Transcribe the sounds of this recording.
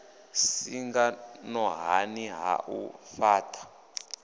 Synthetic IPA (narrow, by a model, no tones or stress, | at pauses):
siŋɡanɔɦaniɦa̰ʔṵfaːtʰʼḁ